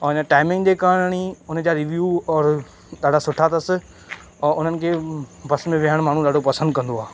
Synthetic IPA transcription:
ɔɪnəʈaːɪmɪ̃ŋɡd͡ʑeːkaːɽɽ̃iʊnəd͡ʑaɾɪʋjuːɔːɾ | ɗ̪aːɖasʊʈʰat̪ɐsɪ̆ | ɔːʊn̤ənɪ̆kʰeːbɐsmẽʋɪɦəɽ̃maːɳ̤ũɗ̪aːɖʱopɐsə̃nd̪̚kɐ̃nd̪oaː

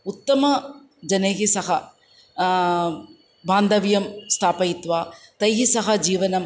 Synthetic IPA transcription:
ut̪ːɐmɐ | d͡ʒɐneːɦisɐɦɐ | baːnd̪ɐʋjɐmst̪ʰaːpɐit̪ʋaːt̪ɐjɦisɐɦɐd͡ʒiːʋɐnɐm

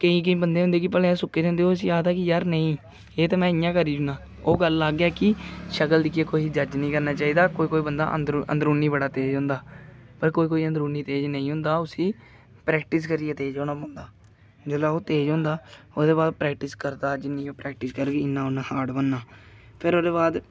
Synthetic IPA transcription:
kəĩːkəĩːbənd̪eːɦʊ̃nd̪eːkɪpəlẽːsʊkːeːd͡ʒãːnd̪eːoːsiːjaːd̪ɛːkɪjəɾnəĩː | eːt̪ːmɛ̃ːɪjãːkəɾiːd͡ʒʊnãː | oːɡəlːaːɡjaːkɪʃəkəld̪ɪkieːkoːiːd͡ʒəd͡ʒnĩːkəɾnaːt͡ʃaːiːd̪aːkoːiːkoːiːbənd̪a̰ːʔə̰nd̪ɾə̰̃nd̪əɾuːnːiːbəɽaːt̪eːd͡ʒɦʊ̃nd̪aːpəɾkoːiːkoːiːənd̪ɾuːnːiːt̪eːd͡ʒnəĩːɦʊ̃nd̪aːʊsĩː | pɾɛːk̚ʈɪs̬kəɾieːt̪eːd͡ʒoːnãːpõːnd̪aː | d͡ʒəːlaːoːt̪eːd͡ʒɦʊ̃ːnd̪aː | oːd̪eːbaːd̪pɾɛːk̚ʈɪskəɾd̪aːd͡ʒɪnːĩːoːpɾɛːk̚ʈɪskəɾɡeːɪnːãːʊnãːhaːɽbənːaː | pʰɪɾoːd̪eːbaːd̪

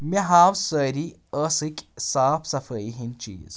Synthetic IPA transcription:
mʲiɦaːwsəːɾi | əːsɨkʲʼsaːpʰsɐfəiɦint͡ʃḭːz

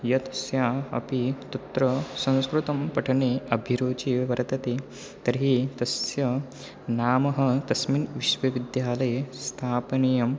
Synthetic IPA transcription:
jɐt̪sjaːɐ̰pit̪ɐt̪ɾɐsɐ̃w̃skɾut̪ɐmpɐʈʰɐneːɐbʱiɾoːt͡ʃiʋɐɾɐt̪ɐt̪e | t̪ɐɾɦit̪ɐsjɐ | naːmɐɦɐt̪ɐsminʋiʃʋɐʋid̪jaːlɐjst̪ʰaːpnijɐm

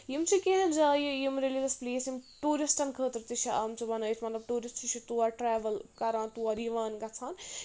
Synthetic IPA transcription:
jimt͡sʰikeɦɐ̃nd͡ʒaːjijimɾelizɐspleːsjimʈuːɾisʈɐnkʰəːt̪ɐɾt̪it͡ʃʰiʔaːmt͡sʰibɐnɐt̪ʰmɐt̪lɐbʈuːɾisʈʰit͡ʃʰit̪uaʈɾɛːʋɐlkɐɾãːnt̪uːɐɾiʋaːnɡɐt͡sʰaːn

